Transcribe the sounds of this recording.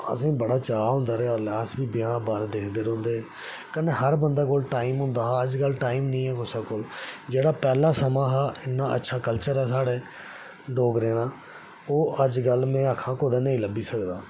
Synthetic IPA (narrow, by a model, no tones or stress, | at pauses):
ə̰sĩːbəɽaːt͡ʃaːɦʊ̃ːnd̪aːɾeːaːlaːsbiːbɪjãːbaːɾd̪eːkʰd̪eːɾɦõːnd̪eːɛː | kəneːɦəɾbənd̪aːkoːlʈaːiːmɦʊ̃ːnd̪aːɦaəd͡ʒɡəlʈaːiːmnĩːɛːkosaːkoːld͡ʒeːɽaːpɛːlaːsəmãːɦaːɪnːãːə̰tːʃʰaːkəlt͡ʃəɾɛːsaːɽeː | ɖoːɡɾẽːnãː | oːʔəd͡ʒɡəlmẽːəkʰːãːkoːd̪aːnəĩːləbiːsəkd̪aː